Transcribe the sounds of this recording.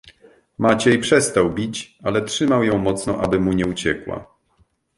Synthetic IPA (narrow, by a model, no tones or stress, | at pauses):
mat͡ɕɛjpʂɛst̪awbʲit͡ɕalɛtʂɘmawjɔ̃w̃mɔt̪snɔʔabɘmuɲɛut͡ɕɛkwa̰